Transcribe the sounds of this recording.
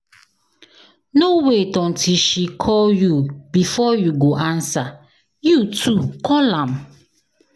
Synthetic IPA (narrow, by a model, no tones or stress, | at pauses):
nowetɔ̃ntʰiʃikʰɔljubifɔjuɡoʔansa | jutʰukɔlãm